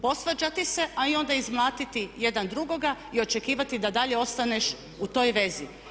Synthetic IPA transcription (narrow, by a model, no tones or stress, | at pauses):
po̞sʋad͡ʒat̪ise̞ʔaio̞nd̪aizmlˠaːt̪it̪ije̞d̪and̪ɾuɡo̞ɡa | io̞t͡ʃe̞kiːʋat̪id̪ad̪aʎe̞o̞st̪aneʃ | ut̪o̞jʋe̞zi